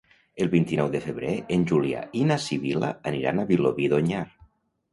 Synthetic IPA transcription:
elˠβint̪inɔwðefeβɾeenʲʒulia̰inasiβila̰ːniɾa̰naβiloβiðoɲaɾ

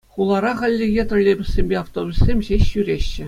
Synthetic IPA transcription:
χulˠɑɾɑχɑlʲːɘ̆jet̪rɤ̆lʲebʲɘ̆sʲsʲemʲbʲeɑft̪obʲusʲemʲʑeɕːyɾʲeɕːɘ̆

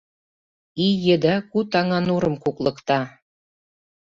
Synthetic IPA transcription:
ijɘ̆d̪ækut̪ɑŋɑnuɾɤ̆mkuklˠɤ̆kt̪ɑ

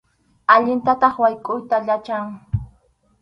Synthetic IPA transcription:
aʎɪnt̪at̪ɑχwajkʼʊjt̪aʎat͡ʃaŋ

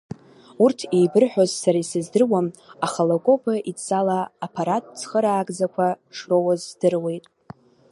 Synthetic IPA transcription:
urtʰe̞jbɨrħʷᶣozsaɾaisɨzdɨrwamaχalokʼo̞pʰaʔit͡st͡sʼalaːpʰaɾatʼt͡sʰχəɾaːɡʼzakʷʰaʂro̞wazːdɨrwe̞jtʼ

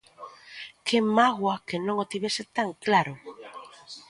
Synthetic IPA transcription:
kemaɣwakenõŋot̪iβesɪt̪aŋklaɾʊ

